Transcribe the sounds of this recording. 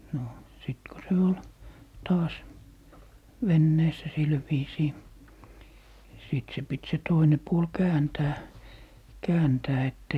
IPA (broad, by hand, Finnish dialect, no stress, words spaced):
no siˑt ko se ol tɑːs ʋenːeːsːæ sil ʋiːsiː siˑt se pit se toine puol kæːntæː kæːntæː etː